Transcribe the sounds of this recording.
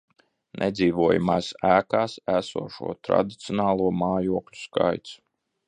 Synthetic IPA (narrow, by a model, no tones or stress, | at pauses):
nʔɛd̪ziːvuɔjumaːsæːkaːsæsṵɔʃṵɔt̪ɾa̰d̪it̪sijɔnaːlˠuɔmaːjuɔklʲu̥ska̰jt̪s